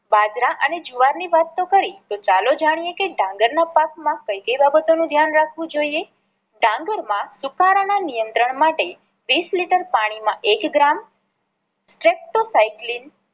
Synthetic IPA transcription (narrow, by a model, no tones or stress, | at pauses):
bad͡ʒɾaʔəned͡ʒuʋaɾniʋat̪ːokəɾit̪ot͡ʃalod͡ʒaɽ̃ijekeɖãŋɡəɾnapakmãkəjkəjbabət̪onũd̪ʱjanɾakʰʋũd͡ʒoie | ɖãŋɡəɾmãsukaɾananijənt̪ɾəɳ̃maʈe | ʋisliʈəɾpaɽ̃imãʔekɡɾam | sʈɾep̚ʈosaiklin